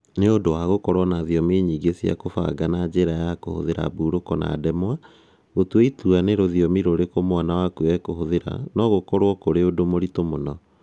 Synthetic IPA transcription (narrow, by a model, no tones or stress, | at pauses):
neondowaɣokɔɾwɔnaːðiɔmeɲiːɡesia̰kofa̰ɡanad͡ʑeɾajako̰ho̰ðeɾa̰buːɾokɔna̰ːdɛmwa | ɣotweituaneɾoðiɔmiɾoɾekomowanawakuɛkohoðeɾa̰nɔɣokɔɾwɔkoɾeodomoɾitomonɔ